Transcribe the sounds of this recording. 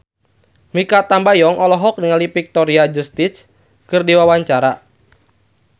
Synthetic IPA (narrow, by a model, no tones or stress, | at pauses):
mikat̪ambajɔŋɔlɔɦɔk̚niŋalipik̚t̪ɔɾiad͡ʒust̪is | kɨrdiwawaɲt͡ʃaɾa